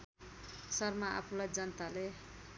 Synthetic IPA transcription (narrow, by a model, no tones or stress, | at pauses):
sʌrmaʔa̰pʰulajd͡zʌnʌt̪ale